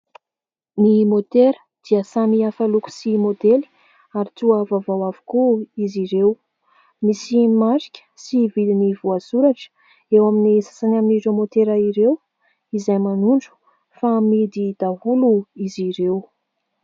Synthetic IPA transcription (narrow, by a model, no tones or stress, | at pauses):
nimot̪eɾə̥ | d̪̥iəsamiafaluku̥simod̪eli̥ | aɾit̪uavavawavu̥kuiziɾew | misimaɾikʲə̥sivilinivuazuɾaʈ͡ʂə̥ | ewaminisḁsanaminiremot̪eɾaiɾew | izajmanuɳɖ͡ʐu̥ | famid̪id̪̥aɦuluiziɾew